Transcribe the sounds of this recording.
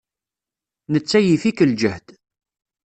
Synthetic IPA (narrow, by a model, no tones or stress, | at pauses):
nət͡sːæjifikəld͡ʒəhd̪